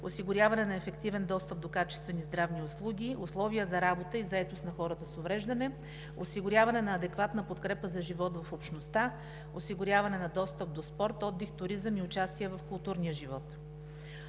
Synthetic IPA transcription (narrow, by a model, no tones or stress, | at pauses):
osiɡʊɾʲjavɐnɛnɐɛfɛkt̪ivɛnd̪ɔst̪əp̚d̪okat͡ʃɛ̥st̪vɛnizd̪ɾavniʊslˠuɡʲiʊslˠɔvijəzɐɾabot̪əizɐɛt̪ost̪nɐxɔɾət̪əsovɾɛʒd̪ɐnɛ | osiɡʊɾʲavɐnɛnɐːd̪ɛkvat̪nəpot̪kɾɛpəzɐʒivɔt̪vɐfopʃnost̪a | osiɡʊɾʲjavɐnɛnɐd̪ɔst̪əp̚d̪ospɔɾt̪ɔd̪ːixt̪ʊɾizəmiʊt͡ʃast̪iɛvɐfkʊlˠt̪uɾnijəʒivɔt̪